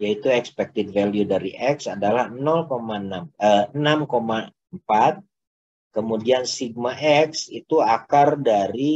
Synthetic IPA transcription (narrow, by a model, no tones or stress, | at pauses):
jait̪uɛkspɛk̚t̪ɪdvɛljudaɾiʔɛksadalahnɔlkomanaməənamkoma | mpat̪̚ | kəmudiansiɡ̚maʔɛksit̪uakardaɾi